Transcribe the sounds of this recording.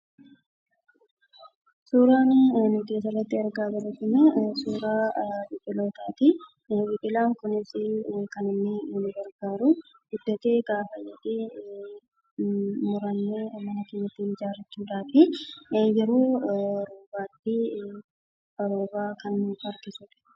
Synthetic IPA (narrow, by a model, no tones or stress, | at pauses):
suːɾaːnnʊt̪eːsɐrɐt̪ːɪɐɾɡaːbɐlɐt̪ːɪnɛsuːɾaːbɪpʼɪlo̞ːt̪aːt̪ɪ | bɪkʼɪlaːŋkʊnɪsɪkɐnɪnːɪnɪɡɐɾɡaːɾʊ | ɡ̥ʊd̪ːɐt̪eːɡaːfɐjɛᶑeː | mʊɾɐnːeːmɐnɐkɪnːɐt̪ːiːnɪd͡ʒaːɾɐt͡ʃːuːᶑ̪aːt̪ɪjɛɾo̞ːɾoːbaːt̪ːɪ | bɐɾoːbaːkɐnːfɐɾɡɪsuːᶑɐ̥